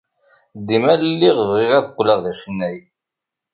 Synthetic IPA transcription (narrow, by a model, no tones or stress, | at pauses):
d̪ːimællːiʁvʁɪʁæðɡʷləʁðæʃənːæj